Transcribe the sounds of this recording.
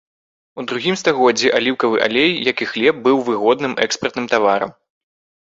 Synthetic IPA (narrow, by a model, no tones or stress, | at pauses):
ud̪ɾuɣʲimst̪aɣɔd͡zʲiʔalʲiwkɐvɨʔa̰lʲejːakixlʲɛp̚bɨwvɨɣɔd̪nɨmɛ̰kspɐrt̪nɨmt̪avaɾɐ̰m